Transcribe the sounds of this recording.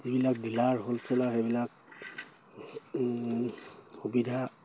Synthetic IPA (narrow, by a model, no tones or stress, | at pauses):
zibilak̚dilaɹɦolsilaxebilak̚ | xubidʱa